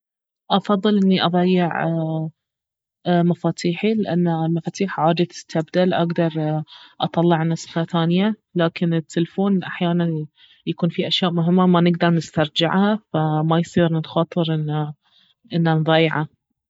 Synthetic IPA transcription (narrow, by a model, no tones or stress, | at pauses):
ʔɑfɑðˤːɨlʔɪnːiʔɑðˤɑjːɪʕ | mafaːt̪ʰiːħilɪʔa̰nːalmafaːt̪iːħʕaːd̪at̪ʰːabd̪alʔaɡd̪ɑɾˤʔɑt̪ˤɑlːɪʕnɑsˤfaθaːnjalaːkɪnɪt̪ʰːɪlfoːnʔa̰ħjaːnan | jakuːnfiʔaʃjaːʔmʊɦɪmːamanɪɡd̪ɑɾˤnɪst̪ɑɾˤd͡ʒɪ̰ʕhafamajsˤiːɾnxɑːt̪ˤɨɾʔɪnːa | ʔɪnːanðˤɑːjʕa